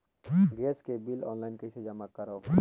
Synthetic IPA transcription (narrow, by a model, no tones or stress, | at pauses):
ɡɾeːskebilɔ̰ːnlaɪnkesed͡ʒɐmakəɾoː